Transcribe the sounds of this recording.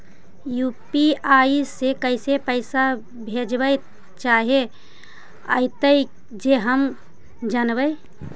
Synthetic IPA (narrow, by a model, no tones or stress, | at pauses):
jupiaisekəɪsepəɪsa | bʱed͡ʒbəj | t͡ʃaɦe | ə̰ɪt̪əi | d͡ʒeɦəm | d͡ʒanbəj